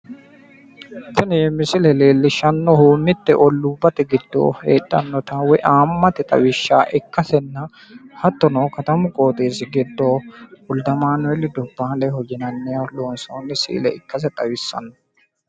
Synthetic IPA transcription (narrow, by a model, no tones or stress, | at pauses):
sɪneːmɪsɪlɛleːlːɪʃːɐnːɔhuːnːɪt̪ːɛʔɔlːubːɐt̪ɛɡɪd̪ːo̰ːhḛːɗːɐnːɔt̪aːwɛʔaːmːɐt̪ɪt̪ʼɐ̰wɪʃːaːʔɪkːɐsɛnːɐ | hɐt̪ːɔnoːkɐt̪ɐmʊkʼoːt̪ʼeːsɪɡɪd̪ːoːhʊld̪ɐmaːnʊɛlːɪd̪ʊbːaːlɛhɔd͡ʒɪnɐnːɪjaloːnsoːnːɪsḭːlɛɪkːɐs̬ɛt̪ʼɐwɪsːɐ̰nːɔ